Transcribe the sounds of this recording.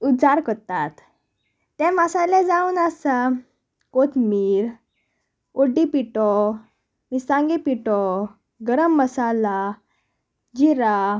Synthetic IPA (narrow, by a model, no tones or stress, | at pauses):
uaɾkəɾt̪at̪ː | ɛ̃masalẽd͡zaunasa | kot̪miːɾ | oɖipiʈɔ | misãŋɡipiʈɔ | ɡəɾəmːəsala | d͡ʑiɾa